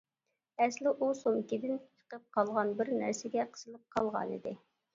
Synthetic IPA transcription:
ɛslɪʔusomɪkʲid̪ɪnt͡ʃʰə̥qəp̚qʰɑlˠʁɑnbɪɾnæɾsɪɡʲɛqʰə̥z̥ɨlˠɨp̚qʰɑlˠʁɑ̰nḭd̪ɪ

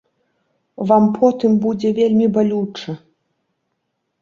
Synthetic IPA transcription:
vampʰɔt̪ɨmbud͡zʲɛvʲelʲmʲibalʲut͡ʂɐ

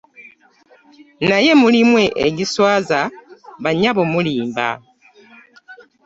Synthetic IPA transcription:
naje̞mulimwe̞ʔḛɟiswaːzaβaɲaβomuliːmba̰

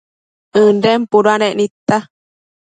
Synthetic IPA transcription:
ɨ̃nɖempuɾuanẽʔnĩt̪a

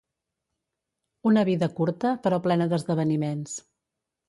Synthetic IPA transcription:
unəβiðəkuɾt̪əpəɾɔplɛnəðəzðəβ̞ənimens

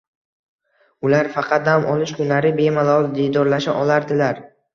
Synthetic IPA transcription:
ʊlaɾfɑqʰɑt̪̚d̪amʔɒlˠɪʃkʰʊnlaɾɪbe̞malˠɒd̪ed̪ɒɾlaʃaʔɒlˠaɾd̪ɪlaɾ

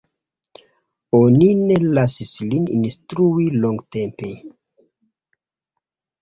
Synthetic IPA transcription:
oninelasislinḭnstɾuiloŋɡte̞mpe̞

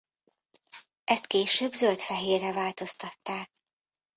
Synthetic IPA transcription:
ʔɛst̪keːʃøːbzølt̪fɛɦeːrɛvaːlt̪o̞st̪ɒt̪ːaːk̚

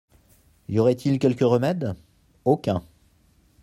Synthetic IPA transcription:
joʁɛt̪ʰilkʲɛlkəʁəmɛd̪ | okʲɛ̃

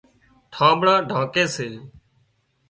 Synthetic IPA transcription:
ʈʰãːbɽãːɖʱãːkeːseː

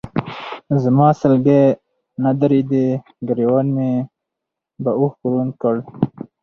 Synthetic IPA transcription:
zəmɑːsəlɡe | nad̪aɾid̪e | ɡəɾiwanme | bauxkuɾunkəɽ

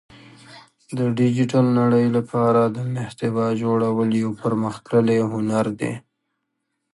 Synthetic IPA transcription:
d̪əɖɪd͡ʒɪʈalnaɽəjlapʰɑɾad̪ənɪht̪ɪbɑd͡ʒoɽawəljawpəɾməxkɾəleɦʊnaɾd̪ḛ

